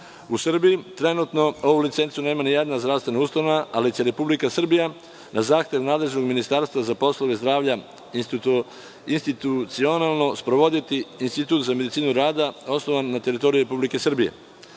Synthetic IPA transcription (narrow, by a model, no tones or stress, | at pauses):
usr̩bijit̪ɾe̞nuːt̪no̞o̞ʋulit̪se̞nt̪sune̞ːmanijed̪nazd̪ɾaʋst̪ʋenauːst̪anaʔalit͡ɕe̞ɾe̞publikasr̩bija | nʔazaːxt̪e̞ʋnaːd̪le̞ʒno̞ɡminist̪aɾst̪ʋazapo̞slˠoʋezd̪ɾaːʋʎa | inst̪ | inst̪it̪ut̪sionalˠno̞spɾo̞ʋo̞d̪it̪iːnst̪it̪uːt̪zame̞d̪it̪siːnuɾaːd̪ao̞sno̞ʋanːat̪e̞ɾit̪o̞ɾijuɾe̞publike̞sr̩bije̞̰